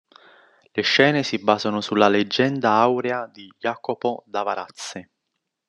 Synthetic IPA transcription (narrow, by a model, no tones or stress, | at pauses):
leʃːɛːnesibaːzanosulːaled͡ʒːɛnd̪aawɾead̪ijaːkopod̪avaɾat̪sːɪ